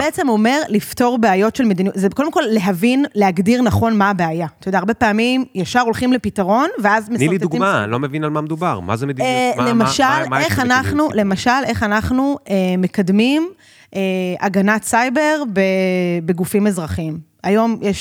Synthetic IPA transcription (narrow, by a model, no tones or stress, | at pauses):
beet͡semome̞ʁlifto̞ʁbeajo̞tʃelmed̪iniutzeekodemkolːe̞ɦavinleaɡdiʁnaχo̞nmaːbeajat̪ajodaːʁbe̞paːmimjaʃaʁo̞lχimle̞pitaʁo̞nveazmeilid̪t̪uɡimalomevinalmamed̪ubaʁma̰zemed̪imlemaʃaleχanaχnule̞maʃalʔe̞χanaχnuemekad̪mim | ʔeaɡanatsajbe̞ʁbebe̞ɡufimezʁaχim | ajo̞mjeʃ